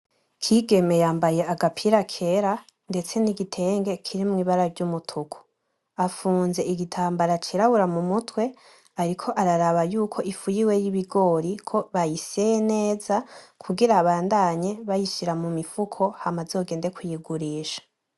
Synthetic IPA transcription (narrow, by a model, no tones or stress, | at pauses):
kʰiɡe̞me̞jaːmbaje̞aɡapʰiɾakʰe̞ɾa | nde̞t͡se̞niɡitʰe̞ːŋɡe̞kʰiɾimŋiːβaɾaɾɟumutʰukʰu̥ | afuːnze̞ʔiɡitʰaːmbaɾat͡ʃiɾaβuɾamumutwe̞ | aɾikʰo̞ʔaɾaɾaβajuːkʰo̞ʔifujiwe̞jiβiɡo̞ːɾikʰo̞βajisejene̞ːzakʰuɡiɾaβaːndaːɲe̞βajiʃiɾamumifukʰo̞hamazo̞ːɡe̞ːnde̞kʰujiɡuɾiːʃḁ